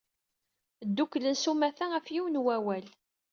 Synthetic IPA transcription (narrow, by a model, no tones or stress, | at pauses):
d̪ːukːlənsumæθææfjiwənwæwæl